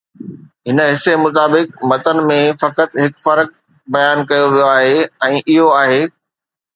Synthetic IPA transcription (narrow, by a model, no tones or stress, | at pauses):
ɦɪnəɦɪsemʊt̪aːbɪk̚mɐt̪ənɪ̆mẽfɐkət̪ɦɪkfɐɾk̚ | bɐjaːnkɐjoʋijoaːɦeːɛ̃ːʔɪɦoaːɦeː